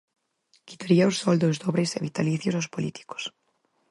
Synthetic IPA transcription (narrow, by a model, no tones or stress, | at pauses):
ki̥t̪aɾiaosɔld̪ozðɔβɾeseβit̪aliθjosaspolit̪i̥ko̥s